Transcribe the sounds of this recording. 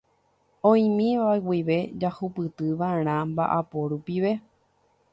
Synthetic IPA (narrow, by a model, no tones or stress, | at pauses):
õjĩmĩʋaewiʋe̞d͡ʒahupɨt̪ɨʋaeɾ̃ãmba̰ʔapoɾupiʋe̞